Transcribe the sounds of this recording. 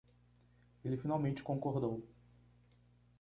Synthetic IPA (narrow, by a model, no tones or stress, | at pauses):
elɪfinawmẽnt͡ʃɪ̥kõŋkoɾd̪ow